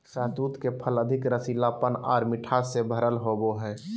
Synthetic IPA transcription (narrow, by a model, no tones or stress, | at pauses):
saːt̪uːt̪kepʰələd̪ʱɪkɾəsilapəna̰ːɾmɪʈʰasebʱəɾəlɦoboɦɛː